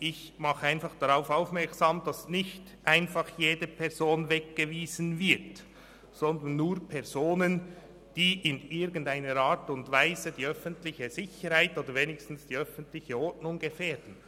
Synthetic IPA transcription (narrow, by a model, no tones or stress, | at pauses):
ʔɪç | mɑχəaɪnfɑχd̥aʁaʊfaʊfmɛɐksaːmd̥asnɪçt | ʔaɪnfɑχjeːdəpʰɛɐzoːnvɛk̚ɡ̥əviːzənvɪt | sɔndənːuːɐpʰɛʁzoːnən | d̥iːʔɪnɪɡn̩taɪnəɾaːtʊntvaɪzədiːœfəntlɪçəzɪçəɾhaɪtoːdəɾveːnɪçstn̩sd̥iːœfəntlɪçəɔɹtnʊŋɡ̥əfɛːd̥n̩